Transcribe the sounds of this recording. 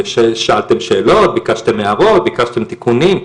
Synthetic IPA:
ʃeʃaalt̪emʃeːlo̞t̪̚bikaʃt̪emeaʁo̞t̪̚bikaʃt̪e̞mt̪ikunim

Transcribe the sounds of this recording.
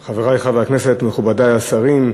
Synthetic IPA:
χaveʁajχavehaknesetmeχubadaasaʁim

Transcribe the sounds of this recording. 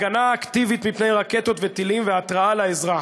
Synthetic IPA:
ɡanaːkt̪ivit̪mipne̞jʁake̞t̪o̞t̪vet̪ilimveat̪ʁaalaezʁa

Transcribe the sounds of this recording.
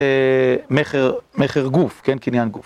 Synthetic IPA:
emeχeʁmeχeʁɡufkenkinjanɡuf

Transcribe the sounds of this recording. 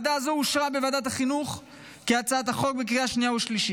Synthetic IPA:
d̪aːzo̞uʃʁabevad̪at̪̬aχinuχ | kiat͡saat̪̬aχo̞k̚bek̬ʁiaʃnijauʃliʃi

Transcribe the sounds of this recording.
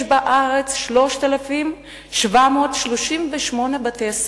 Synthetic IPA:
ʃbaʔaʁet͡sʃlo̞ʃt̪alafim | ʃvamot̪ʃloʃimveʃmo̞nebat̪es

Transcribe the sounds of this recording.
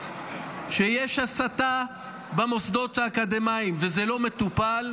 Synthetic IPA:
ʃejeʃasat̪a | bamosd̪o̞t̪aːkad̪emaimvezɛlo̞me̞t̪upal

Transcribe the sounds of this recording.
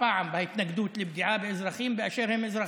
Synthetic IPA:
aʕambajɪt̪naɡd̪uːt̪lɪb̚d̪ɪʕaːbɪʔɪzɾˤɑxiːmbɪʔaʃeːɾhɪmʔɪzɾˤɑ

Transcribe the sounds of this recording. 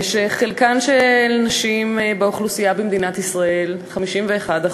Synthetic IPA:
ʃeχelkanʃelnaʃimbeoχlusijabemd̪inat̪isʁaelχamiʃimveːχada

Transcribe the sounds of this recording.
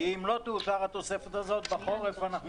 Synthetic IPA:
iimlo̞t̪uuʃaʁat̪o̞se̞fet̪azo̞t̪̚baχo̞ʁefoanaχn

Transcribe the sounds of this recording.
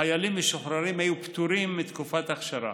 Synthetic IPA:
ajalimːiʃoχɾaɾimhajupt̪uɾimːit̪kufat̪aχʃaɾa̰

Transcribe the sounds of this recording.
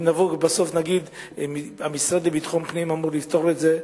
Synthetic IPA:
navobaso̞fnaɡid̪ | miamisʁad̪ebit̪χompnimamuʁlift̪o̞ʁet̪ze

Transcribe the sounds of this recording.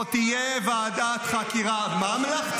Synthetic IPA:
t̪ijevaːd̪at̪χakiʁamamla

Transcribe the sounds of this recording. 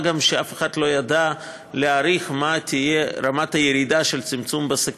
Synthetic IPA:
ɡamʃeafeχad̪lo̞jad̪a | leaɾiχmat̪ijeɾamat̪ajeɾid̪aʃelt͡simt͡sumbasak

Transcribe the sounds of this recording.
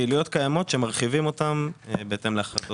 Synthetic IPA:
ilijo̞t̪kajamo̞t̪ʃe̞maʁχivimo̞t̪ambeet̪e̞mleaχado

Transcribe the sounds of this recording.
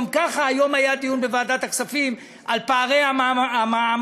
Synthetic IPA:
mkaχaːjo̞majat̪iunbevaːdat̪aksafim | ʔalpaːʁejaaaam

